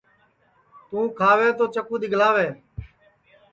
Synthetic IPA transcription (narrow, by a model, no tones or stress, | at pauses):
t̪ũːkʰaːʋeːt̪oːt͡ʃəkuːd̪ɪɡʱlaːʋeː